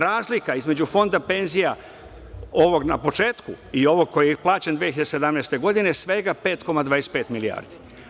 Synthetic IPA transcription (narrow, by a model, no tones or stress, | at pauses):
ɾaːzlikaizme̞d͡ʑufo̞nd̪ape̞nzija | o̞ʋo̞ɡnapo̞t͡ʃe̞ːt̪kuio̞ʋo̞ɡ̚ko̞jeplˠaːt͡ɕend̪ʋijeçiʎad̪ese̞d̪amnest̪e̞ɡo̞d̪inesʋe̞ɡape̞ːt̪ko̞mad̪ʋaːɾespe̞ːt̪milia̰ːɾd̪i̥